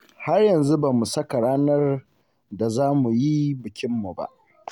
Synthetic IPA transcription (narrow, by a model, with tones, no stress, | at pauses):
ha˦rjɐ˨nzu˦ba˨mu˨sɐ˦ka˨ɽaː˦nɐ˦r | da˨zaː˦mu˨ji˦bɪ˨kʲɪ˦mːu˨ba̰˦ʔ